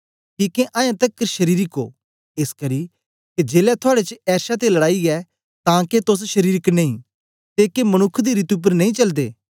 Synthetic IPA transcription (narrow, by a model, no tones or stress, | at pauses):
kiːkeʔãːjãt̪ɐkːəʃɐɾiːɾɪko̰ː | eskɐɾi | ked͡ʒeːlɛt̪ʰʊaːɽet͡ʃɛːʃat̪elɐɽaːiɛ | t̪ãːket̪ʊsʃɐɾiːɾɪknẽĩː | t̪eːkemɐñʊkʰːd̪iɾit̪ʊp̬ːəɾnɐĩt͡ʃɐld̪ḛː